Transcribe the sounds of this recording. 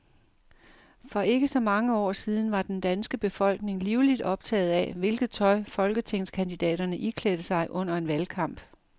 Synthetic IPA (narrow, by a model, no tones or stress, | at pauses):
fɒ̽ʔe̝ɡ̥əsɒ̽mɑ̈ŋəɒ̰ːsiːð̞ˠn̩ʋɑ̈d̥end̥ænsɡ̥əb̥e̝fɒ̽l̰ɡ̥ne̝ŋliʊlid̥ɒ̽b̥̚t͡sʰɛ̰ːð̩ˠɛʋe̝lɡ̥ð̞̩ˠt͡sʰɒ̽ɪfɒ̽lɡ̥ət͡sʰe̝ŋskʰænd̥id̥ɛ̰ːɾ̥ɐnəʔikʰled̥əsɑ̈ɪʔɔ̽n̰ɐe̝nʋælkʰɑ̈m̰b̥